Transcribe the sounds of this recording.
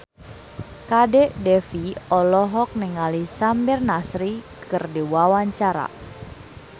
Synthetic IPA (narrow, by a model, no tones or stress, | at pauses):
kadɛʔdɛfiɔlɔɦɔk̚nɛŋalisambɪrnasɾi | kɨrdiwawaɲt͡ʃaɾa̰